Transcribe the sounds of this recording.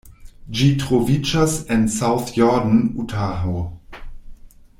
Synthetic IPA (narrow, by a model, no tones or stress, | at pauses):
d͡ʒitʁovid͡ʒasɛnsawθjɔdn̩utʰaɦo